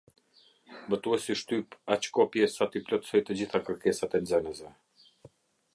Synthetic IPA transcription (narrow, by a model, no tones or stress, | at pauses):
bət̪uɛsiʃt̪ypat͡ɕkɔpjɛsat̪iplʲɔt̪sɔjt̪əd͡ʑiθakəɾkɛsat̪ɛnzɛnəzɛ